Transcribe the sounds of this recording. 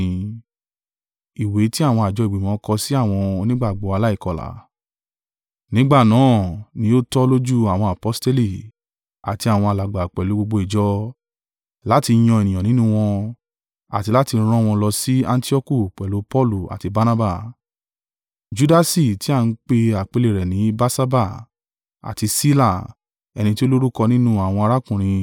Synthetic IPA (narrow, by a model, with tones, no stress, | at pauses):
i˨we˨˦ti˦a˦˨w̃ɔ̃˧a˨d͡ʒɔ˧˦i˨ɡ͡bi˨mɔ̃˨˦kɔ˧si˦a˦˨w̃ɔ̃˧nĩ˦ɡ͡ba˦˨ɡ͡bɔ˨˦a˧la˦i˦˨kɔ˨la̰˨˦ | nĩ˦ɡ͡ba˦˨nãː˨˦˨nĩ˧˦o˦tɔ˦lo˦d͡ʒu˦a˨w̃ɔ̃˧a˨pɔ˦ste˦li˦˨ | a̰˨ti˧a˨w̃ɔ̃˧a˨la˨ɡ͡ba˨k͡pɛ˨lu˨˦ɡ͡bo˧ɡ͡bo˧i˨d͡ʒɔ˦ | la˦ti˧˦j̃ɔ̃˧e˨nĩ˨ɔ̃˨nĩ˦nũ˦w̃ɔ̃˧ | a̰˨ti˧la˦tĩ˧˦ɾ̃ɔ̃˦˧w̃ɔ̃˧lɔ˧si˦ã˦˧n̩˦ti˦ɔ˦ku˦˨k͡pɛ˨lo˨˦pɔ˦˨lu˨a̰˨ti˧ba˦na˦ba˦˨ | d͡ʒu˦da˧si˨ti˨˦a˦˧n̩˦k͡pe˧a˨k͡pe˨˧le˨ɾɛ˨nĩ˨˦ba˦sa˦ba˦˨ | a̰˨ti˧si˦la˦˨ | ɛ̰˧nĩ˧ti˦o˦lo˦ɾu˦kɔ˧nĩ˦nũ˦a˨w̃ɔ̃˧a˧ɾa˦kũ˦˨ɾ̃ĩ˧